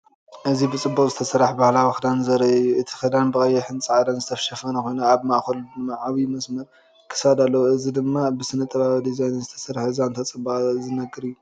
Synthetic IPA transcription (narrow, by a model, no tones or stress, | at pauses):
ʔɨzibɨt͡sʼɨbːukʼzɨt̪ʰɐsɐɾaħbahlawxɨd̪anzɐɾɐɨjːuʔɨt̪ʰi̥xɨd̪anbɨkʼɐjːɛħɨnt͡sʼɨʕad̪anzɨt̪ʰɐfʃɐfɐnɐkʰo̞jnaaβmaʔxɐld̪ɨmaʕaβimɐsmɐɾ | kʰɨ̥sad̪alːɐwuɨzid̪ɨmːabɨsɨnɐt̪ʼɐβaβid̪izajnzɨt̪ʰɐ̥sɐɾħɨzant̪ʰat͡sʼɨbːazɨnɐɡɨɾɨjːu